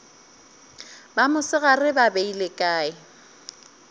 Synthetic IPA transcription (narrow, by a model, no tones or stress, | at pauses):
bamʊsɪɣarɪbabeilekʼaːɪ